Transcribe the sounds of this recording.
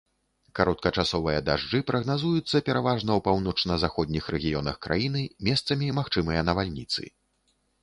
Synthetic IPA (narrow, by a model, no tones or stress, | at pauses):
kaɾɔt̪̚kɐt͡ʂasɔvɨjɐd̪aʐd͡ʐɨpɾɐɣnazujut̪sːɐpʲɛɾavaʐnɐwpawnɔt͡ʂnɐzaxɔd̪ʲnʲixɾɛɣʲijɔnɐxkɾʔa̰jin̪ɨmʲɛst̪sɐmʲimaxt͡ʂɨmɨjɐnɐvalʲnʲit̪sɨ̰